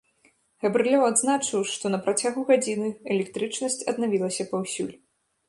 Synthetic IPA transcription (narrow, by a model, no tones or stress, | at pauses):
ɣɐbɾɨlʲɔwad̪znat͡ʂɨwʂt̪ɔnɐpɾat͡sʲaɣuɣad͡zʲinɨɛlʲɛkt̪ɾɨt͡ʂnɐsʲt͡sʲɐd̪̚navʲilˠɐsʲɐpɐwsʲṵlʲ